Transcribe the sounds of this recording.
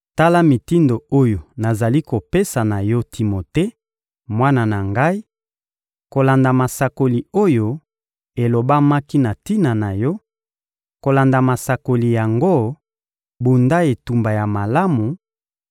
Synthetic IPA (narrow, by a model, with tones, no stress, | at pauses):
ta˦la˦mi˨ti˦ndo˨o˦jo˨na˨za˨li˦ko˨pe˦sa˨na˨jɔ˦tʰi˨mo˨te˦ | mwa˦na˨na˨ŋɡa˦i˦ | ko˨la˨nda˨ma˨sa˨ko˨li˨o˦jo˦ | e˨lo˨ba˦ma˦ki˦na˨ti˦na˨na˨jɔ˦ | ko˨la˨nda˨ma˨sa˨ko˨li˨ja˨ŋɡo˦ | bu˨nda˦e˨tu˨mba˨ja˨ma˨la˦mu˨